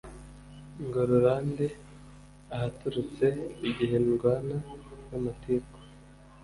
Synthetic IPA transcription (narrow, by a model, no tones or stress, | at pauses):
ŋɡoɾuɾaːnde | ahatuɾut͡se̞iɟiɦe̞nɡwaːnajamatiko̥